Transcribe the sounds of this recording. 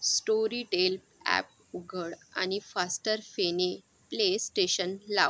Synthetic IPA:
sʈoɾiʈel | æ̰p̚ | uɡʱəɽa̰ñifasʈəɾfene | plesʈeɕənla̰

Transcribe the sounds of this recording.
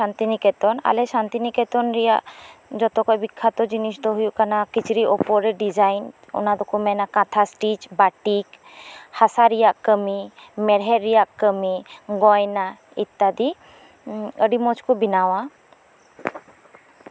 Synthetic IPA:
ant̪inikɛt̪ɔna̰lɛsant̪iniket̪ɔnɾija̰ʔd͡ʒɔt̪ɔkɔjbikʰːat̪ɔd͡ʒinisʈ̪ɔɦujukanakit͡ʃʰɾiʔɔpɔɾeɖid͡ʒajn | ɔ̰nad̪ɔkumɛnakat̪ʰasʈit͡ʃbaʈik | hasaɾijakːəmimɛɾɦɛɾːijakːəmiɡɔjna | it̪ːad̪i | əɖimɔt͡ʃkubinawa

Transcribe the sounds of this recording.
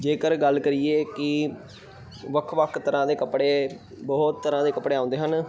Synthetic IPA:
d͡ʒeːkəɾɡəlkəɾieːkɪ | ʋəkʰʋəkʰt̪əɾãːd̪eːkəpɽeː | bɔːt̪ːəɾãːd̪eːkəpɽeːãːʊ̃nd̪eːɦən

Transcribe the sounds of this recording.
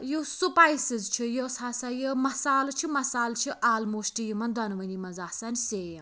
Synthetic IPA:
josupajsizt͡ʃʰijosʰaːsɐjəmɐsaːlt͡ʃʰimɐsaːlt͡ʃʰiʔaːlmoːsʈijimɐnd̪ɐnʋɐnimɐzaːsɐnʲsejɐ

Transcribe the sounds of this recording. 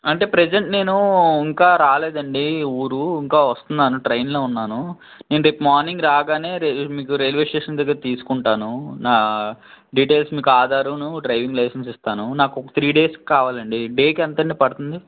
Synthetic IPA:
ɐɳʈe̞ːpɾed͡ʒeɳʈne̞ːnuiŋkaːɾaːleːd̪ɐɳɖiuːɾuiŋkaːʋɐst̪und̪aːnuʈɾɐjnloːunːaːnu | ne̞ːnuɾepmaːɾniŋɡɾaːɡaːne̞ːɾemiːkuɾelʋeːʂʈeːʂɐnd̪ɡɐt̪iːsu̥kuɳʈaːnunaː | ɖiːʈe̞ːlsmiːkuaːd̪aːɾunuɖɾɐjʋiŋɡlɐjsɐnsist̪aːnunaːkɔkɐt̪ʰɾiːɖe̞ːski̥kaːʋaːlɐɳɖiɖe̞ːkɛnt̪ɐɳɖipɐɽut̪und̪i

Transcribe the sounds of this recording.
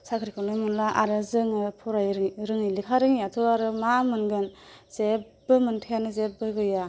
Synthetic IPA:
sakʰɾikʰɯnɯmɯnlaʔaɾɯzɯŋɯpʰɔɾajɾɾɯŋɯjlikʰaɾɯŋijatʰuaɾɯmamɯnɡɯnze | bɯmɯntʰajanɯzebɯɡɯja

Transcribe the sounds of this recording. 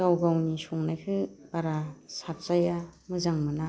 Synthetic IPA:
awɡawnisuŋnajkʰɯbaɾasat̚zajamɯzaŋmɯna

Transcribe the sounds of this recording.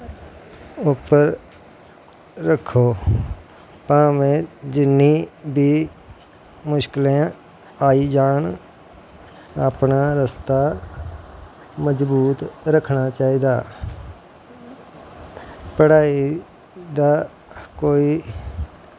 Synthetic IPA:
ʊpːəɾ | əkʰːoː | pãːmẽːd͡ʒɪnːiːbiː | mʊʃkɪlẽã | aːiːd͡ʒaːɳ | aːpnaːɾəst̪aː | məd͡ʒbuːt̪ɾəkʰɳaːt͡ʃaːiːd̪aː | pəɽaːi | d̪aː | koːiː

